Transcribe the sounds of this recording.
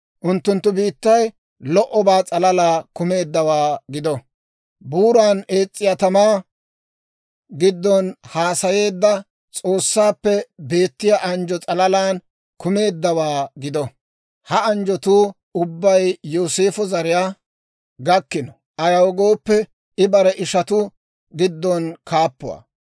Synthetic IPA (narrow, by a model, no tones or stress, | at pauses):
ʔʊnt̪ːʊnt̪ːʊbiːt̪ːɐj | lɔʔɔbaːt͡sʼɐlɐlaːkʊme̞ːd̪ːɐwaːɡɪd̪ɔ | buːɾaːneːt͡sʼːɪjat̪ɐmaː | ɡɪd̪ːɔnhaːsɐje̞ːd̪ːɐ | t͡sʼo̞ːsːaːpːɛbe̞ːt̪ːɪjaʔɐnd͡ʒɔt͡sʼɐlɐlaːn | kʊme̞ːd̪ːɐwaːɡɪd̪ɔ | hɐɐnd͡ʒɔt̪uː | ʊbːɐjːoːseːfɔzɐɾɪjaː | ɡɐkːɪnɔ | ʔɐjɐwɡo̞ːpːɛ | ɪbɐɾɛʔɪʃɐt̪ʊ | ɡɪd̪ːɔnkaːpːʊwa̰